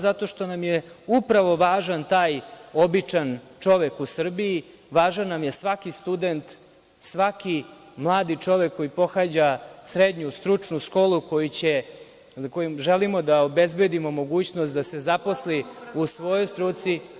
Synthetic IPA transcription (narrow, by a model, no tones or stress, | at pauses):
zat̪o̞ʃt̪o̞namjeupɾaʋo̞ʋaːʒant̪aːjo̞bit͡ʂant͡ʂo̞ʋe̞kusr̩bii | ʋaːʒanːamjesʋakist̪ud̪ent̪ | sʋaki | mlˠaːd̪it͡ʂo̞ʋe̞kːo̞jipo̞xaːd͡ʑasɾed̪ɲust̪ɾut͡ʂnuʃko̞ːlˠuko̞jit͡ɕe | kojimʒelimo̞d̪aobe̞zbe̞d̪imo̞mo̞ɡuːt͡ɕnost̪d̪ase̞zapo̞sliusʋo̞jojst̪ɾut̪si